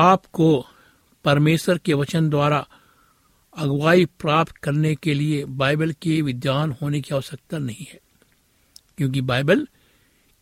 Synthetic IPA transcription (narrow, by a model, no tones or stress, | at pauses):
aːpko | pɐɾmeːsəɾkeʋɐt͡ʃənd̪waːɾa | ɐɡwaːipɾaːpt̪kɐɾnekeliebaːɪbəlkeʋɪd̪jaːnɦoːnekioːsɐk̚t̪anɐɦĩɦɛː | kjõːk̬ibaːɪbəl